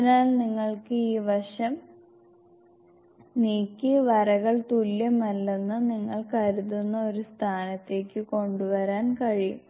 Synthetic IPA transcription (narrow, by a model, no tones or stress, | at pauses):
naːlniŋːɐɭkɨiːʋɐʂɐm | niːkʲːɨʋɐɾɐɣɐɭt̪ulːjɐmɐlːenːɨniŋːɐɭkɐɾuðunːɐo̞ɾust̪ʰaːnɐt̪ːe̞ːkːɨko̞ɳɖuʋɐɾaːnkɐɻijṵm